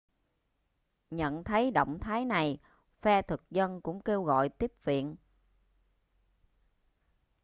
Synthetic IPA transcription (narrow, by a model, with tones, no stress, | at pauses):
ɲə̰˧˨nt̪ʰə˨˦jɗo̰˧˨wŋ͡mt̪ʰaː˨˦jna˨˩j | fɛ˧t̪ʰɨ˨˩k̚zə˧nkʊ̰˧˥ŋ͡mke˧wɣɔ̰˧˨jt̪i˦˥əp̚vḭ˧˨ən